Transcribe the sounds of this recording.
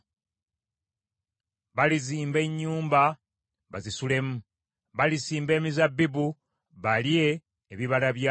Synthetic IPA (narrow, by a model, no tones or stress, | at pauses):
βaliziːmbe̞ɲːuːmba | βa̰zisule̞mu | βalisiːmbe̞ːmizabːibu | βalie̞ː | βiβalaβja